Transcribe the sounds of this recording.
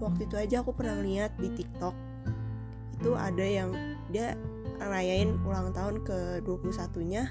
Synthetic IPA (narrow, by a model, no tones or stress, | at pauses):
wak̚t̪uit̪uad͡ʒaːkupərnahməliat̪̚dit̪ik̚t̪ɔk̚ | it̪uʔa̰dajaŋ | dia | ɾajaɪnulaŋt̪aɦʊnkəduapulusat̪uɲa